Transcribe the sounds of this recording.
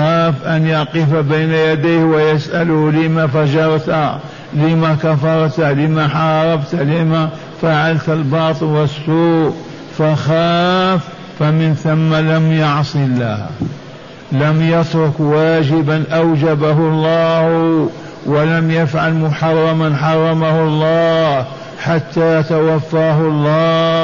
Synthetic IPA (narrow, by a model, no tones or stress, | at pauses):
xaːfʔanjɑqifbajnajad̪ajhwajasʔalʊhlɪmafad͡ʒɑɾˤt̪ | lɪmakafɑɾˤt̪lɪmaħɑːɾˤɑbt̪lɪma | faʕalt̪albɑːt̪ˤɨlwasːuːʔ | faxaːfː | amɪnθamːalamjaʕsˤilːa̰ːh | lamjat̪ɾʊkwaːd͡ʒɪbanʔawd͡ʒabaɦʊlˤːɑːh | wɪlamjafʕalmʊħɑrˤːɑmanħɑrˤːɑmahʊlˤːɑːh | ħat̪ːajat̪awafːaːhʊlˤːɑː